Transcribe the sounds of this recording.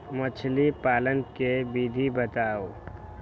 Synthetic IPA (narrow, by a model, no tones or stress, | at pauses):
mət͡ʃʰlipaːlənkebiːd̪ʱibət̪aːoː